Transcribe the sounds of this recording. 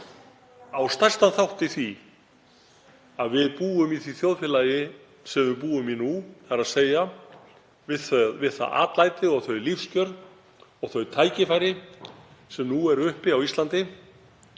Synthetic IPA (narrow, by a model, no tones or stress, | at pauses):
awst̪ḁst̪anθawht̪ɪθi | aðvɪðpuːʏmiθiθjowðfɪːlajɪ | sɛvɪpuːʏmɪnuθaɾaðseːja | vɪðθœɥðvɪðθa̰a̰ːt̪lajt̪ɪɔɣθœɥlifscœɾð | ɔɣθœɥt̪ʰaːjcɪfajɾɪ | sɛmnuɛɾʏhpɪawislant̪ɪ